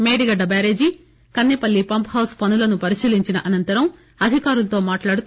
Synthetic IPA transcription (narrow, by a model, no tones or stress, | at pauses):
meːɽiɡɐɖɐbaːɾeːd͡ʒi | kɐnːipɐlːipɐmpɦɐwspɐnulɐnupɐɾiʃiːliɲt͡ʃinɐʔɐnɐnt̪ɐɾɐm | ɐd̪ʱikaːɾulɐt̪o̞ːmaːʈlaːɽut̪